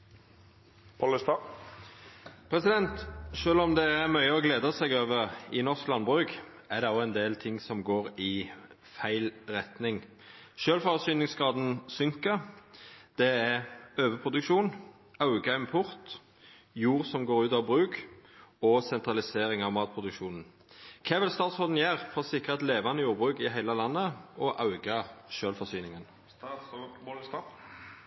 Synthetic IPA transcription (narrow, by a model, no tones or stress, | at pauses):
pʰɔləst̪ɑ | pʰʁɛsɪd̪ɛnt̪ʃøːlɔmd̪ɛːʁmœʏəɔɡleːd̪ɑsɛɡøːʋəʁɪnɔʁsklɑnbʁʉk | æʁd̪ɛɔɛnd̪eːlt̪ʰɪŋsɔmɡoːʁɪ | fæɪlʁɛt̪nɪŋ | ʃøːlfɑʁsyːnɪŋsɡʁɑːd̪n̩sʏŋkə | d̪̥ɛæʁøːʋəpʰʁʊd̪ʉkʃuːn | ɑʉɡɑɪmpʰʊʁt̪ | juːʁsɔmɡoːʁʉːt̪ɑʋbʁʉːk | ɔsɛnt̪ʁɑlɪseːʁɪŋɑʋmɑːt̪̚pʰʁʊd̪ʉkʃuːnn̩ | kʰeːʋɪlst̪ɑːt̪sɔld̪n̩jæːʁfɔʁsɪkːəʁɛt̪leːʋɑnəjuːʁbʁʉːkɪɦæɪləlɑnːəɔʔɑʉɡɑʃøːlfɔʁsyːnɪŋən